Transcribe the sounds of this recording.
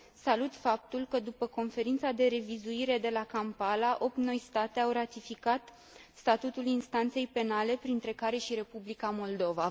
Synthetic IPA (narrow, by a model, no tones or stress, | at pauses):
salut̪fap̚t̪ulkəd̪upəko̞nfe̞ɾint̪sad̪e̞ɾe̞vizuiɾe̞d̪e̞lakampalaʔo̞p̚t̪no̞jst̪at̪e̞awrat̪ifikat̪ | st̪at̪ut̪ulinst̪ant̪se̞jpe̞nale̞pɾint̪ɾe̞kaɾe̞ʃiɾe̞publikamo̞ld̪o̞va